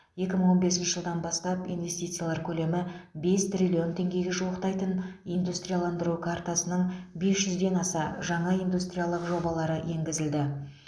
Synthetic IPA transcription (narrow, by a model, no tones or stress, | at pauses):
je̞kʲɪməɴwo̞nbe̞sɪnʃɪ̥ʒəlˠd̪ɑnbɑst̪ɑpḭnvʲe̞st̪ijt̪sɨjalˠɑɾkʲʰɵle̞mɪbe̞st̪rʲilʲio̞nt̪ʰʲe̞ŋɡʲe̞ɡʲeʒuwəqt̪ɑjt̪ənind̪ust̪rʲijalˠɑnd̪əɾukʰart̪asənəɴbe̞sʒʏzd̪e̞nɑsɑʒɑɴɑijnd̪ust̪rʲijalˠəqʒo̞bɑlˠɑɾəje̞ŋɡʲɪzɪld̪ɪ